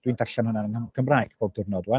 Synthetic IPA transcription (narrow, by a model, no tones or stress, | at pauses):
d̥windʰaɬanʊnaənɡ̥ʰəmraːjɡ̥bʰoːb̚dɪrnɔdwa